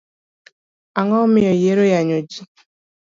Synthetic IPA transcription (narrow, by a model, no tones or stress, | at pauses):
aŋɔmɪɔjeɾojaɲod͡ʒi